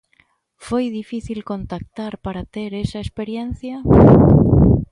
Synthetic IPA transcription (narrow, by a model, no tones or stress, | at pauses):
fo̞jðifiθilko̞nt̪ak̚t̪aɾpaɾat̪e̞ɾesaespe̞ɾjenθja